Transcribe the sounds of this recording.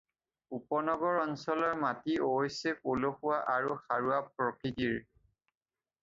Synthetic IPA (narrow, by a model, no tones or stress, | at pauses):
upɔnɔɡɔɹɔnsɔlɔɹmatioɦɔjsɛkoloxuwaʔaɹuxaɹuapɹɔkitiɹ